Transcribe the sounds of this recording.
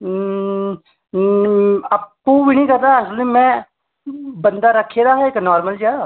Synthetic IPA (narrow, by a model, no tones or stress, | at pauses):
ɐpːubinĩkɐɾt̪aɦslĩmɛ̃ | bə̃nd̪aɾɐkʰːeɾaɦɛeknɔːɾməld͡ʒɛ